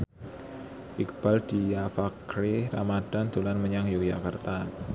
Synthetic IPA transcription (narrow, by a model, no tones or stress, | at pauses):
ʔik̚b̥ald̥ijafakɾeramad̥a̤nt̪olanməɲaŋjʊk̚d͡ʒakart̪a